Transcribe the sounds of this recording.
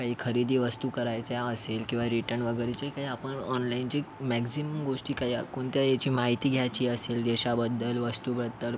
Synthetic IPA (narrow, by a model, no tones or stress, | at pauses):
kaɦiːkʰəɾid̪iːʋəst̪ukəɾajt͡sjaəselkĩw̃ʋaɾiʈəɳʋəɡəjɾet͡ɕekaɦiːapəɳɔnlaint͡ɕemɛksiməmɡoʂʈiːkaɦiːa̰kuːnt̪jajet͡ɕiːmaɦit̪iːɡʱjat͡ɕiːəseld̪eɕabəd̪ːəlʋəst̪ubɾəd̪ːəl